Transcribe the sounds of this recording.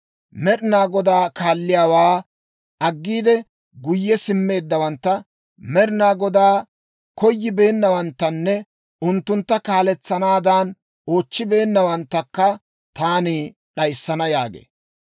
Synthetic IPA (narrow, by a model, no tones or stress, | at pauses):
mɛɾɪnaːɡɔd̪aːkaːlːɪjaːwaː | ʔɐɡːiːd̪ɛ | ɡʊjːɛsɪmːe̞ːd̪ːɐwɐnt̪ːɐ | mɛɾɪnaːɡɔd̪aː | kɔjːɪbe̞ːnːɐwɐnt̪ːɐnːɛ | ʊnt̪ːʊnt̪ːɐkaːlɛt͡sːɐnaːd̪an | oːt͡ʃːɪbe̞ːnːɐwɐnt̪ːɐkːɐ | t̪aːni | ɗɐjsːɐnɐja̰ːɡḛː